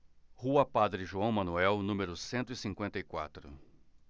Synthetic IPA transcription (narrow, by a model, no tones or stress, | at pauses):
huɐpad̪ɾɪʒuɐ̃w̃mɐ̃nuɛwnũmeɾʊsẽnt̪ʊisĩŋkwẽnt̪ɐikwa̰t̪ɾʊ̰